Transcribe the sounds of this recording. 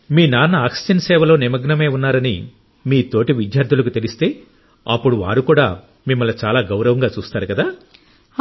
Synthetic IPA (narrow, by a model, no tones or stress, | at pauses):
miːnaːnɐaːksi̥d͡ʒɐnsɛːʋɐlo̞ːnimɐɡnɐme̞ːunːaːɾɐnḭ | miːt̪o̞ːʈiʋid̪jaːɾd̪ʰʱulɐkut̪e̞list̪e̞ː | ɐpːuɽuʋa̰ːɾukuːɽa̰ː | mimːɐlːɐt͡ʃaːlaːɡɐwɾɐʋɐŋɡaːt͡ʃuːst̪aːɾukɐd̪aː